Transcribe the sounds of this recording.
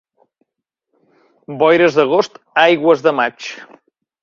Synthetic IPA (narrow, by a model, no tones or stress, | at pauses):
bɔjɾəzðəɣ̞ost̪ | ajɣwəzðəmat͡ʃ